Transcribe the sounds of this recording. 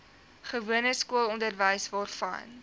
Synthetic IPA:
χəvuənəskuəlˠɔndərvəjsvɑːrfɐ̰n

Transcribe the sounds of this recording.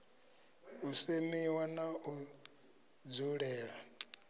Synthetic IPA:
usemiwanaʔu | d͡zuɺɛːɺa

